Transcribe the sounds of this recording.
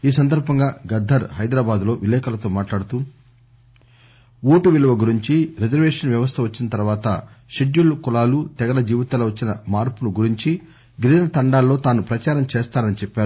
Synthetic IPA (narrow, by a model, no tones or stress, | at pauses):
iːs̬ɐnd̪ʱɐɾbʱɐŋɡaːɡɐd̪ʱːɐɾɦɐjd̪ɾaːbaːd̪lo̞ːʋilɛːkɐlɐt̪o̞ːmaːʈlaːɽut̪u | oːʈuʋiluʋɐɡuɾiɲt͡ʃiɾed͡ʒɐɾʋeːʂɐnʋjɐʋɐst̪ʰɐʋɐt͡ʃːinɐt̪ɐɾʋaːt̪ɐ̰ | ʃeɖjulkulaːlut̪ɛɡɐlɐd͡ʒiːʋit̪aːlɐʋɐt͡ʃːinɐmaːɾpunuɡuɾiɲt͡ʃi | ɡɾinɐt̪ɐɳɖaːlːo̞ːt̪aːnupɾɐt͡ʃaːɾɐmt͡ʃeːst̪aːnɐnit͡ʃɛpːaːɾu